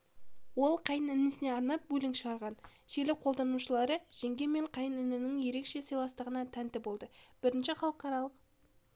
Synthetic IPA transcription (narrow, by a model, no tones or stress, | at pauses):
wo̞lˠqʰɑjənɪnɪsɪne̞ɑɾnɑp̚bɵlʲɪŋʃəʁɑɾʁɑnʒ̥e̞ɾlɪqʰo̞lˠd̪ɑnuʃəlˠɑɾəʒ̥e̞ŋɡʲe̞me̞ɴqʰɑjənɪnɪnɪŋje̞ɾe̞kʃe̞səjlˠɑst̪əʁənɑt̪ʰænt̪ɪbo̞lˠd̪əb̥ɪɾɪnʃɪχɑlˠəqːɑɾɑlˠəq